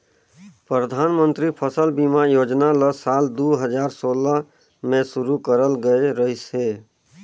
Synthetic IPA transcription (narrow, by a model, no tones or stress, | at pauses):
pɾəd̪ʱanmənt̪ɾipʰəsəlbimajod͡ʒnaləsald̪uɦəd͡ʒaɾsolə | mẽsuɾukəɾəlɡəeɾəɦise